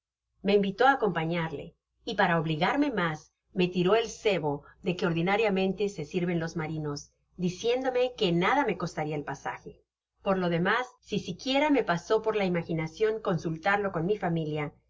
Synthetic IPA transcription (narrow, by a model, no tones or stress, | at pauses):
me̞imbit̪o̞aːko̞mpaɲaɾle̞̰ | ipaɾaoβliɣaɾme̞mas | me̞t̪iɾo̞e̞lse̞βo̞ðe̞ke̞oɾðinaɾjamẽ̞nt̪e̞sesiɾβe̞nlo̞zmaɾino̞z | d̪isje̞nd̪o̞me̞ke̞naðame̞ko̞st̪aɾiaelpasa̰xe̞ | po̞ɾlo̞ðe̞masːisikje̞ɾame̞paso̞po̞ɾlaimaxinasjo̞ŋko̞nsult̪aɾlo̞ko̞nmifamilja